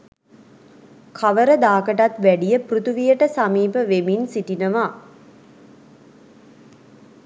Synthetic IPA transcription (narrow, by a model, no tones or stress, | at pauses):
kʰaʋəɾəd̪aːkəʈat̪ʋæɖijəprut̪uʋijəʈəsamiːpəʋeminsiʈinəʋa